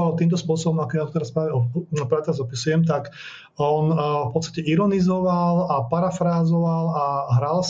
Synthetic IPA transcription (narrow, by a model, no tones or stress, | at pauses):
ɔʋalt̪iːmt̪ɔspʊɔsɔbɔmakɔjat̪ɔt̪ɛɾaspɾaːʋɛɔpɾaːʋɛt̪ɛɾazɔpisujɛmt̪ak | ɔnfpɔt̪t͡sst̪acɛiɾɔnizɔʋalapaɾafɾaːzɔʋalaɦɾaːls